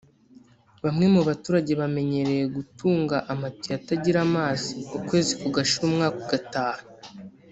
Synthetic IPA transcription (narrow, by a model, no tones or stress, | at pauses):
βamŋe̞muβatuːɾaɟe̞βame̞ɲe̞ɾe̞je̞ɡutuːŋɡaʔamattojataɟiɾamaːziukwe̞ːzikuɡaʃuɾuːmŋaːkoɡataːnu